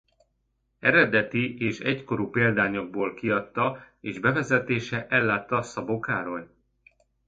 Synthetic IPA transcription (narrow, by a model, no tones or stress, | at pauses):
ɛɾɛd̪ɛt̪iʔeːʃɛcko̞ɾuːpeːld̪aːɲo̞ɡ̚boːlkiɒt̪ːɒ | eːʒbɛvɛzɛt̪eːʃɛʔɛlːaːt̪ːɒsɒbokaːɾo̞j